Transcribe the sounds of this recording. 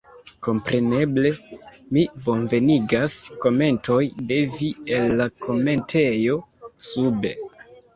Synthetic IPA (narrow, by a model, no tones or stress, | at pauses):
ko̞mpɾe̞ne̞ble̞ | mibo̞nve̞niɡasko̞me̞nto̞jde̞vie̞lːakʰo̞me̞ntʰe̞jo̞sube̞̰